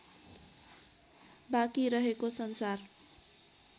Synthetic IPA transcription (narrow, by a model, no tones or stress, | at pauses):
bakiɾʌɦekosʌnsar